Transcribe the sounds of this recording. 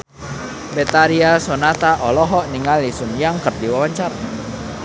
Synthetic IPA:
bɛt̪aɾiasɔnat̪aʔɔlɔɦɔʔniŋalisunjaŋkərdiwawaɲt͡ʃaɾ

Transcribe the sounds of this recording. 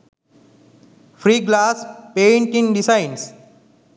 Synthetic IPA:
fɾiːɡlaːspẽːɳʈĩnɖisaɪns

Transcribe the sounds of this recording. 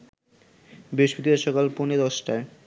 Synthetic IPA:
beʃbit̪ieʃɔkalponed̪ɔʃʈae

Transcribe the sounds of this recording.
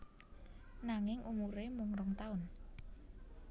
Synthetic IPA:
naŋɪŋʔumuɾemʊŋɾɔŋt̪aʊn

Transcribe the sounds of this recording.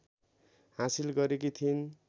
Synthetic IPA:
hãsilɡʌɾekit̪ʰin

